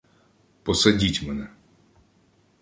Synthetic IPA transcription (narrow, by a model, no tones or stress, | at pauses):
pɔsɐdʲitʲmɛnɛ